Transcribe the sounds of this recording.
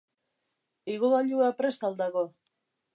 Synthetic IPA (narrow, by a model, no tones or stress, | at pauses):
iɣoβaʎuapɾe̞st̪ald̪aɣo